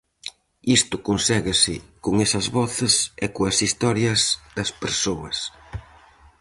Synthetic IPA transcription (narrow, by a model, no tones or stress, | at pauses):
ist̪ʊkonsɛɣɪsɪkoŋesɐzβɔθɪsɛkoɐsist̪ɔɾjɐzðɐspeɾsoɐs